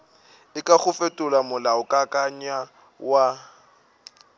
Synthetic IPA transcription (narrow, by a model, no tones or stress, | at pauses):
ɪkʼaχʊfetʼʊlamʊlaʊkʼakʼaɲa | wa